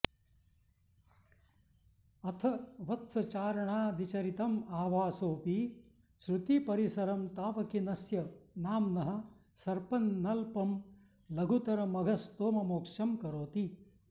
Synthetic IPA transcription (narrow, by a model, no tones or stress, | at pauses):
ɐt̪ʰɐʋɐt̪sɐt͡ʃaːɾɐɳaːd̪it͡ʃɐɾit̪ɐmaːʋaːsoːpi | ʃɾut̪ipɐɾisɐɾɐmt̪aːpɐkinɐsjɐnaːmnɐɦɐ̆ | sɐɾpɐnːɐlpɐm | lɐɡʱut̪ɐɾɐmɐɡʱɐst̪oːmɐmoːkʂɐmkɐɾoːt̪i